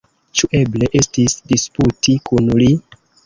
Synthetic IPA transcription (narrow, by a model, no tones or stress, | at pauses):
t͡ʃuʔe̞ble̞ʔe̞stisdisputikunli